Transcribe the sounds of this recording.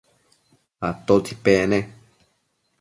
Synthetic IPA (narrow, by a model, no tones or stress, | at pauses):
at̪ot̪ʰipenẽ